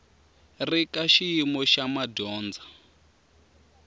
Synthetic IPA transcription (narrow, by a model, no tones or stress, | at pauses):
rikaʃijimɔʃamadɔːnd͡za